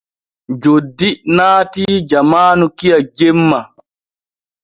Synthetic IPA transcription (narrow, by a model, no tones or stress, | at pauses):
d͡ʒodːinaːtiːd͡ʒamaːnukijad͡ʒemːa